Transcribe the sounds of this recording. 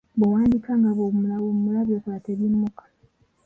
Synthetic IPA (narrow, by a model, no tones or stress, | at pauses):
bowaːndikaŋɡaβolaomumulaβjoːsaβateβimːukḁ